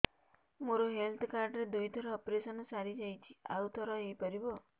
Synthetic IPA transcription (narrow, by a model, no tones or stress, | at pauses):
moɾoɦelt̪ʰɔkaɾɖɾed̪ujt̪ʰɔɾɔːpɾesɔnɔsaɾid͡ʒajt͡ʃʰi̥a̰wt̪ʰɔɾɔejpaɾibɔ